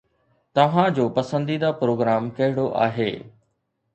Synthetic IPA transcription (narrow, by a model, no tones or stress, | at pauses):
t̪ɐʋ̤ãd͡ʑoːpɐsə̃nd̪id̪apɾoːɡɾaːmkɐɦɪɽ̃oʔa̰ːɦeː